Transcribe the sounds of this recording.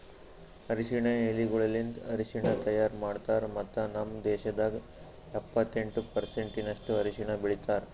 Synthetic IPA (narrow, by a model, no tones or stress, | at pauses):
ɐɾiʃiɳeeliɡɔɭɐlind̪ɐɾiʃiɳɐt̪ɐjaːɾmaːɽt̪aːɾmɐt̪ːɐnɐmd̪ɛːʃɐd̪aːɡ | ɛpːɐt̪ːe̞ɳʈupɐɾseɳʈinɐʂʈuɐɾiʂiɳɐbiɭit̪aːɾ